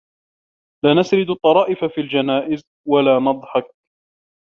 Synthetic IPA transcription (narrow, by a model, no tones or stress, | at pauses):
laːnasɾɪd̪ʊt̪ˤːɑɾˤɑːʔɪfafiːld͡ʒanaːʔɪz | walaːnɑd̪ˤħɑk̚